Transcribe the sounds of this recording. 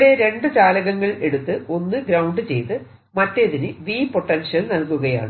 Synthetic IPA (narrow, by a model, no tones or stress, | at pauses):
ɽe̞ɾe̞ɳɖɨt͡ɕaːlɐɣɐŋːɐɭe̞ɽut̪ːɨo̞nːɨɡɾɐwɳɖɨt͡ɕe̞̰jt̪ɨ | mɐtːeðinɨʋiːpo̞ʈːɐnʂjɐlnɐlkuɣɐja̰ːɳɨ